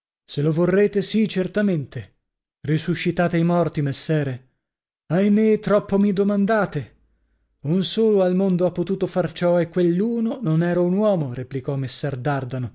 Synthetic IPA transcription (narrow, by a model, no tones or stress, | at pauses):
selovorːeːt̪esit͡ʃert̪ament̪e | risuʃːit̪aːt̪eijmɔrt̪imesːɛːɾe | ajmet̪ɾɔpːomid̪omand̪aːt̪e | unsoːloalmond̪oapːot̪uːt̪ofart͡ʃɔekːwelːuːnononɛːɾaunwɔːmoɾeplikɔmesːɛrd̪ard̪ano